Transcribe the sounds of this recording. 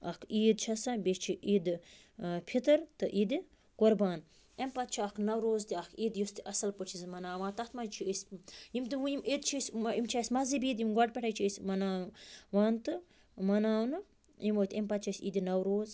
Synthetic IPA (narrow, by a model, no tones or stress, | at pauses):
ɐkʰiːd̪t͡ʃʰɐsɐbet͡ʃʰiʔid̪ | pʰit̪ɐɾt̪ɨʔid̪i | ɡ̥oɾbaːn | empɐt̪̚t͡ʃʰiɐkʰnɐwɾoːzt̪iɐkʰiːd̪just̪iʔɐsɐlput͡ʃʰizmɐnaːʋãːt̪ɐht̪ʰmɐnt͡ʃʰiesʲjimt̪ɨujimʔid̪t͡ʃʰisʲimt͡ʃʰisʲmɐzibiːd̪jimɡɐʈ̚pʲɛʈʰɐjt͡ʃʰiesʲmɐnaːʋaːnt̪ɨ | mɐnaːnɨ | imoːt̪ʲempɐt̪̚t͡ʃʰɐsʲḭd̪inɐwɾoːz